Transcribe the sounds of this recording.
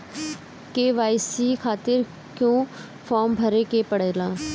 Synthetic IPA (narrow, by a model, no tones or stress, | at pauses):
keːʋaːisiːkʰaːt̪ɪɾ | kjõː | pʰɔːɾmbʱəɾeːkeːpəɽeːlãː